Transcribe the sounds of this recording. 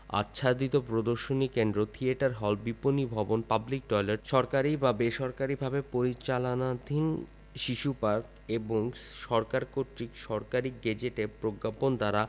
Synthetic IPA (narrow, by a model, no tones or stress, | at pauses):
a̰tːɕʰad̪it̪opɾod̪oɾʃonikend̪ɾot̪ʰieʈaɾɦɔlbiponibʱɔbonpablik̚ɖɔjlaɾʃɔɾkaɾibabeʃɔɾkaɾibʱabepoɾit͡ɕalonad̪ʱin | ʃiʃupaɾk | eboŋʃɔɾkaɾkoɾʈɾikʃɔɾkaɾiɡed͡ʑeʈepɾoɡːapond̪aɾa